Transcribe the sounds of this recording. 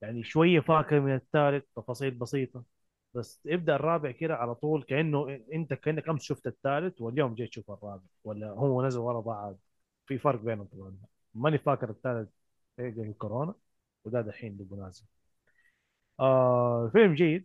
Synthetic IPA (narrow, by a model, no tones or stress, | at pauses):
jaʕniʃwajːafaːkɪɾmɪnat̪ːaːlɪt̪̚t̪ˤːɑfɑːsˤiːlbɑsiːt̪ˤɑ | basːʔɪb̚d̪aʔɑrˤːɑːbɪʕkɪd̪aʕalat̪ˤuːlkaʔɪnːuʔɪnt̪akaʔɪnːakʔamsʃʊft̪at̪ːaːlɪt̪wɪljoːmd͡ʒeːt̪ʃufɑrˤːɑːbɪʕwalːahʊwːanazalwɑlˤɑbɑʕad̪̚ | fifɑɾˤq̚beːnat̪ˤɑbʕanːa | manɪfaːkːɪɾat̪ːaːlɪt̪̚ː | ɡalɪlkʊɾoːna | wɪd̪aːd̪alħiːnlɪbʊnaːzɪm | ʔafɪlmd͡ʒajːɪd̪̚